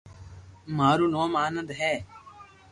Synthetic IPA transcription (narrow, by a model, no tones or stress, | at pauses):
maːɾuːnoːmaːnəd̪ɦɛː